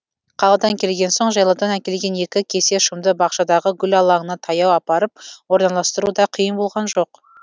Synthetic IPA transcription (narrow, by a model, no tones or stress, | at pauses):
qʰɑlˠɑd̪ɑŋkʲʰe̞lɡʲe̞nso̞ɴʒɑjlˠɑd̪ɑnækʲe̞lɡʲe̞ne̞kʲɪkʲʰe̞se̞ʃʊmd̪əbɑqʃɑd̪ɑʁəɡʲʏlɑlˠɑɴənɑt̪ʰɑjɑwɑpɑɾəp̚wo̞ɾnɑlˠɑst̪əɾud̪ɑqʰijəmbo̞lˠʁɑnʒo̞q